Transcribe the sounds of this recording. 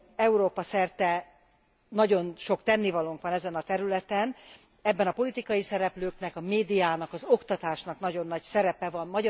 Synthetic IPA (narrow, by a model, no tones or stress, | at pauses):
ɛuɾoːpɒsɛrt̪ɛ | nɒɟo̞nʃo̞kt̪ɛnːivɒloŋkʋɒnɛzɛnɒt̪ɛɾylɛt̪ɛn | ɛbːɛnɒpo̞lit̪ikɒjisɛɾɛpløːknɛkɒmeːd̪ijaːnɒkɒzo̞kt̪ɒt̪aːʃnɒknɒɟo̞nːɒcsɛɾɛpɛvɒmmɒɟ